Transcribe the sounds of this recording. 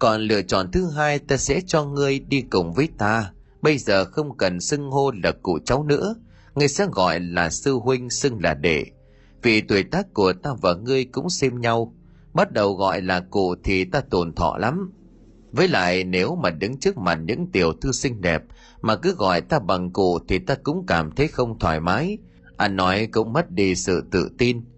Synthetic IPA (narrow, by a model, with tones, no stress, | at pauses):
kɔ˨˩nlɨ̰˧ət͡ɕɔ̰˧˨nt̪ʰɨ˨˦ɦaː˧jt̪aː˧sɛ̰˧˥t͡ɕɔ˧ŋɨ˧əjɗi˧kʊ˨˩ŋ͡mvəː˨˦jt̪aː˧ | ɓə˧jzəː˨˩xə˧wŋ͡mkə˨˩nsɨ˧ŋho˧la˨˩kṵ˧˨t͡ɕa˨˦wnɨ̰˧˥ə | ŋɨ˧əjsɛ̰˧˥ɣɔ̰˧˨jlaː˨˩sɨ˧ɦwï˧ŋ̟sɨ˧ŋlaː˨˩ɗḛ˧˩ | vi˨˩t̪wi˨˩jt̪aː˦˥kːu˨˩ət̪aː˧vaː˨˩ŋɨ˧əjkʊ̰˧˥ŋ͡msɛ˧mɲa˧w | ɓa˦˥t̚ɗə˨˩wɣɔ̰˧˨jlaː˨˩kṵ˧˨t̪ʰi˨˩t̪aː˧t̪o˨˩nt̪ʰɔ̰˧˨la˨˦m | vəː˨˦jla̰ː˧˨jne˨˦wmaː˨˩ɗɨ˨˦ŋt͡ɕɨ˦˥k̚ma˨˩t̚ɲɨ̰˧˥ŋt̪i˨˩əwt̪ʰɨ˧sï˧ŋ̟ɗɛ˨˩p̚ | maː˨˩kɨ˨˦ɣɔ̰˧˨jt̪aː˧ɓa˨˩ŋkṵ˧˨t̪ʰi˨˩t̪aː˧kʊ̰˧˥ŋ͡mkaː˨˩mt̪ʰə˨˦jxə˧wŋ͡mt̪ʰwaː˧˩jmaː˨˦j | ʔa˧nːɔ˨˦jkʊ̰˧˥ŋ͡mmə˦˥t̚ɗi˧˩sɨ̰˧˨t̪ɨ̰˧˨t̪i˧n